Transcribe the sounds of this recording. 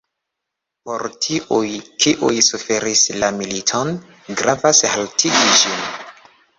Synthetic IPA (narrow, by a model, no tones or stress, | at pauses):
poɾtʰiʔujkiʔujsufe̞ɾislamilitʰon | ɡɾavashaltʰiɡid͡ʒin